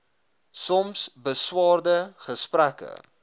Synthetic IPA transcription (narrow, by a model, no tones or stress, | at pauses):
sɔmsbəswɑːrdəχəspɾækə̰